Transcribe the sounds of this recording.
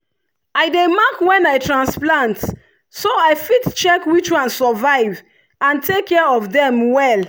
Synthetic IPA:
aɪdemakwɛ̃naɪtʰɹãnsplãnt | soaɪfidt͡ʃɛkwit͡ʃwãnsɔvaɪv | ãntʰekʰːɛɔvdɛ̃mwɛl

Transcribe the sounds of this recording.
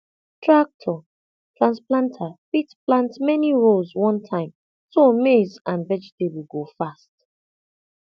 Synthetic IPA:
tʰɹak̚tʰɔ | tʰɹãnsplãntʰafitplãntmɛniɹozwʌ̃ntʰãɪ̃m | somezãnvɛd͡ʒɛtʰebiɡofast

